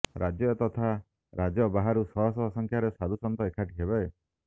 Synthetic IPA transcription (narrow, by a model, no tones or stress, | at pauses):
ɾʔad͡ʒjɔt̪ɔt̪ʰa | ɾad͡ʒɔbaɦaɾusɔɦɔsɔsɔŋkʰjaɾesad̪usɔnt̪ɔekʰaʈiɦebae